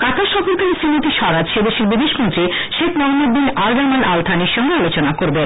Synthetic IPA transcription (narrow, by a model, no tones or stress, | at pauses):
kat̪ʰaʃɔfʰoɾkalesinit̪iʃɔɾad͡ʑʃed̪eʃeɾbid̪ʱeʃmont̪ɾi | ʃekʰnɔɡmed̪ːinalbaɾmanʔalt̪ʰaniɾʃɔŋɡealot͡ɕonakoɾben